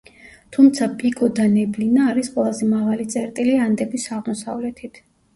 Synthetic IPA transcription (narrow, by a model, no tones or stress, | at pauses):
t̪ʰumt̪sʰapʼikʼɔd̪anɛblinaːɾisqʼwɛlˠazɛmaʁalit̪sʼɛɾt̪ʼiliand̪ɛbisaʁmɔsa̰vlɛt̪ʰit̪ʰ